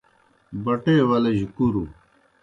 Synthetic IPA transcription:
bɐʈeːwɐlɐʑikuɾu

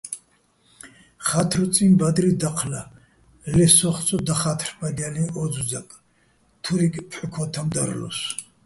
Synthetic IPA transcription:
χat̪ʰɾɔt͡sʼimbad̪ɾid̪aqʰla | lɛsɔχt͡sʰʼɔd̪aχat̪ʰrbad̪aliɔd͡zud͡zakʼ | t̪ʰuɾikʼpʰħukʰɔt̪ʰamd̪a̰ɾlɔ̰s

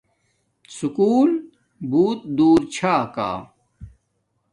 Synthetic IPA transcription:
sukuːl | buːt̪̚d̪uːɾt͡ɕʰaːka̰ː

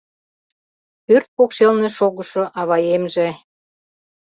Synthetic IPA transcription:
pørt̪̚pokʃelnĕʃoɣə̆ʃoʔɑβɑjemʒĕ

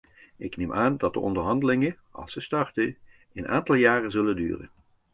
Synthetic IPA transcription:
ʔɪknemʔaːndɑt̚də̰ɔ̰ndəɹɦɑndəlɪŋə | ʔɑ̰lˠsəstɑɹtə | ənʔa̰ːntɑlˠjaːrəzɵləndy̰ːrə̰n

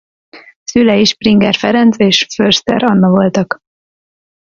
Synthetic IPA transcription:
sylɛiʃpriŋɡɛrfɛɾɛnt̪seːʃførst̪ɛ̰ɾɒnːɒvo̞lt̪ɒk

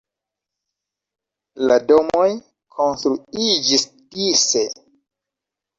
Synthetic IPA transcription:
lado̞moj | kʰo̞nstɾuid͡ʒis | dise

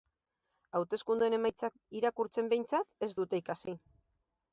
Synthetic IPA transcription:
awt̪e̞skund̪uene̞majt͡sak | iɾakuɾt͡se̞mbe̞jnt͡sat̪e̞zd̪ut̪e̞ikasi

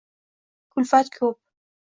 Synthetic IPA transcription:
kulfat̪kʰup̚

